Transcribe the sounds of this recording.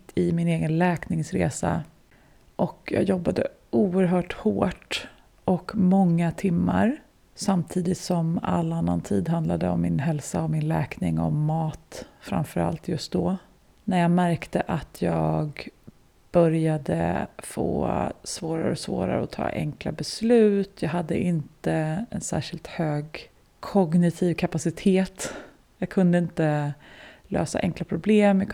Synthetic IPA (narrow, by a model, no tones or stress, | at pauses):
t̪ːɪmɪneːɡənlɛːknɪŋsɾeːsa | ʔɔkjɑ̰ːɡjɔbːad̪ə̰ | uːəɾɦœːʈhoːʈ | ʔɔkmɔŋːat̪ʰɪmːa̰ɾ | samt̪ʰiːd̪ɪt̪sɔma̰lːanːant̪ʰiːd̪ɦand̪lad̪əɔmːɪnɦɛlsaɔmɪnlɛːknɪŋɔ̰mːɑːt̪fɾa̰mfœɾa̰lt̪jɵst̪̚d̪ɔ | næɾjɑːɡmæɾkt̪əʔat̪ʰjɑːɡ | b̥œɾjad̪ə̰fo̰ːsvoːɾa̰ɾə̰ɔsvo̰ːɾa̰ɾəɔt̪ʰɑ̰ːʔɛ̰ŋkla̰bɛslʉ̟ːt̪jɑːɡɦad̪ːəʔɪnt̪əɛnsæ̰ːʂɪlt̪høːɡ | kʰɔɡnɪt̪ʰiːvkʰapasɪt̪ʰeːt̪ | jɑːɡ̚kʰɵnd̪əɪnt̪ə | lø̰ːsa̰ʔɛŋklapʰɾʊbleːmj